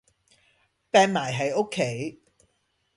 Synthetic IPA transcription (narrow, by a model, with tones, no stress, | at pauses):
pɛː˨˧ŋmaː˨˩jɦɐ˨jo˥kʰːe˨˥j